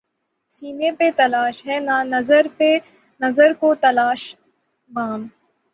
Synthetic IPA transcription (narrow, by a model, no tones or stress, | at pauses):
siːnepet̪ɐlaːʃɦɛːnanɐzəɾpe | nɐzəɾkot̪ɐlaːʃ | maːm